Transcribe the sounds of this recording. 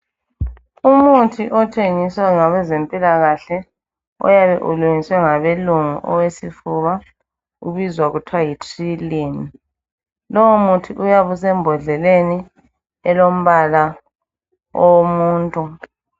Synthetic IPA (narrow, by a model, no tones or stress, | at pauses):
umutʰiʔɔtʰeŋiswaŋaβɛzempʼilaɣaɬɛ | ɔ̰jaβɛʔuluŋiswɛŋaβeluŋṵʔɔ̰wesifuβa | ṵβizwaɣutʰwajitʰilini | lɔwumutʰiʔujaβusɛmbʱɔɮɛleni | ɛlom̩βala | omuːntʼu